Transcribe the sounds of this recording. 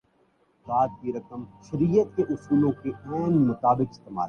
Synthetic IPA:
d̪aːd̪̚kiɾɐkəmʃɐɾiːjət̪̚keʔʊsuːlõkeaːnmɐt̪aːbɪkɪst̪ema̰ːɾ

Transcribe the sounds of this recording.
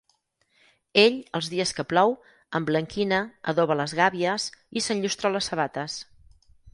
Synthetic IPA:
eʎəlˠzðiəskəplɔw | əmbləŋkinəə̰ðoβələzɣaβiəsisənʎust̪ɾɔləsːəβ̞at̪əs

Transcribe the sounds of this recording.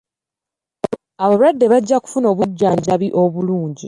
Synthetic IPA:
aβoβuɾwadːe̞βaɟːaku̥funo̞ːβuɟːaːɲɟaβiʔo̞βuluːɲɟi

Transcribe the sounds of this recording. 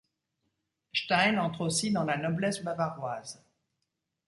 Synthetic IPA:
ʃt̪ajnɑ̃t̪χosid̪ɑ̃lanɔblɛsbavaʁwaːz

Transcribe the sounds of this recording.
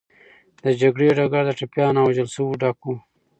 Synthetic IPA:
d̪əd͡ʒaɡɽeɖaɡaɾd̪əʈapjɑːnawad͡ʒəlsəwuɖaku

